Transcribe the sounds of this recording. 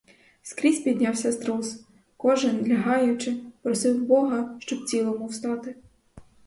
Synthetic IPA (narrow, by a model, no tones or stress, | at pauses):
skɾʲisʲpʲid̪ʲnʲɑwsʲɐst̪ɾɔs | kɔʒɪnlʲɐɦɑjʊt͡ʃɪpɾɔsɪwbɔɦɐʃt͡ʃɔbt͡sʲilˠɔmʊwst̪ɑt̪ɪ